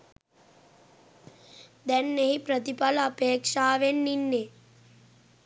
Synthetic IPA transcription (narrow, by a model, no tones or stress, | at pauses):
d̪ɛnːeɦipɾɐt̪ipɐlɐpeːkʂaːʋenːinːe